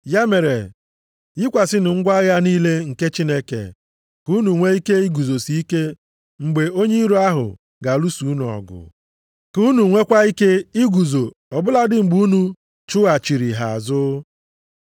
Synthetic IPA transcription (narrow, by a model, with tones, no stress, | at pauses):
ja˦me˨ɾe˨ | jɪ˦kʷa˨sɪ˦nʊ˨ŋ̩˦ɡʷa˦ɣa˦niː˦le˦ŋ̩˨ke˦t͡ʃi˦ne˦kḛ˨ | ku˦nu˨ŋʷe˦i˦ke˦i˦ɡu˨zo˨si˦i˦ke˦ | ŋ͡m̩˨ɡ͡be˨o˦ɲe˦i˦ɾu˦a˦ɦʊ̰˨ | ɡa˨lu˦su˨˦n˨ɔ̰˨ɡʊ̰˨ | ku˦nu˨ŋʷe˦kʷa˦i˦ke˦i˦ɡu˨zo˨ | ɔ˨bʊ˦la˦dɪ˦ŋ͡m̩˨ɡ͡bu˦u˦nu˦ | t͡ʃʊ˦a˨t͡ʃi˨ɾi˨ɦa˨a̰˨zʊ˦